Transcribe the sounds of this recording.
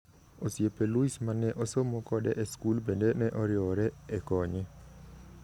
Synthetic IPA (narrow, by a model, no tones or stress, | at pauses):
osjepɛluismanɛʔosomɔkɔdɛʔɛskulbendenɛʔɔɾjɔɾɛɛkɔɲɛ